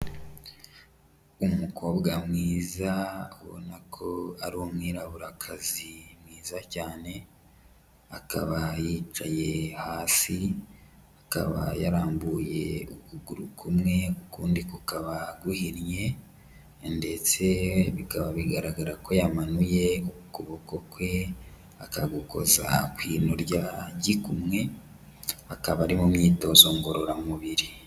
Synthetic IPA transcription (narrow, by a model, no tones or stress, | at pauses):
umukʰo̞ːbɡamŋiːzaβo̰nakʰo̞aɾumŋiːɾaβuɾakʰazimŋiːzacaːne̞ | aka̰βajiːt͡ʃaje̞haːsi | aka̰βa̰jaɾaːmbuje̞̰ukuɡuɾukʰumŋe̞kukuːndikukaβaɡuhiɾje̞ | nde̞t͡se̞βikaβaβiɡaɾaɡaɾako̞jamanuje̞ukuβokokwe̞ | akaɡuko̞̰za̰kwiːno̞ɾɟaɟikumŋe̞ | akaβaɾimumɲiːto̞zo̞ŋɡo̞ɾo̞ɾamuβiɾi